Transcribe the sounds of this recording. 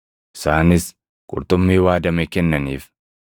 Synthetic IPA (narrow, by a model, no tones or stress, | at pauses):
ʔɪsaːnɪs | kʼʊ̰ɾt̪ʊmːiːwaːd̪ɐmɛkɛnːɐniːf